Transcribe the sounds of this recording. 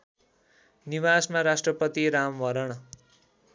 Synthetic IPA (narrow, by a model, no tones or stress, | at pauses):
nibasmaɾasʈrʌpʌt̪iɾamʋʌɾʌɽ̃